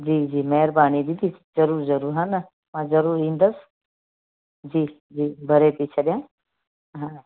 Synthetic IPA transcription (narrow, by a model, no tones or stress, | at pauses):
d͡ʒiːd͡ʒiːmɛɦɾbaːnid̪id̪is | zɐɾuːɾzɐɾuːɾɦɐn | mãːzɐɾuːɾĩːnd̪ɐs | d͡ʒiː | d͡ʒiːbʱɐɾep̪it͡ʃʰɐɗjãː | ɦãː